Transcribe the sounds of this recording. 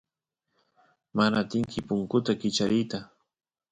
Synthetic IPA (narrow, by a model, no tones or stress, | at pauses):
manat̪ɪŋkɪpʊŋkʊt̪akɪt͡ʃaɾɪjt̪a